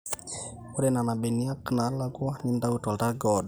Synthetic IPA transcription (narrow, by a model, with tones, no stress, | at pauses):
o˦ɾe˨na˨na˨be˨ni˦a˦kna˨˦la˦kwa˦ni˦nda˦u˦tɔ˨lta˦ɡɔd